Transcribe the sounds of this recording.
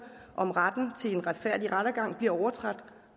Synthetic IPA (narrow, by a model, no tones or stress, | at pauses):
ʔɒ̽mʁad̥n̩t͡sʰe̝enʁad̥fæɐ̰d̥iʁaɾ̥ɐɡ̥ɑ̈ŋ̰b̥liɐɒʊɐt͡sʰʁad̥